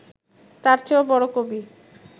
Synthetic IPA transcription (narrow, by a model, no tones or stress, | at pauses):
t̪aɾt͡ɕʰeobɔɽokobi